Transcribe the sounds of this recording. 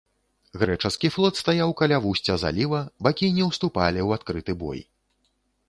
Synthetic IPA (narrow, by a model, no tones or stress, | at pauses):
ɣɾɛt͡ʂɐskʲiflˠɔt̪st̪ajawkalʲavusʲt͡sʲɐza̰lʲivɐbakʲinʲɛwst̪upalʲiwat̪kɾɨt̪ɨbɔ̰j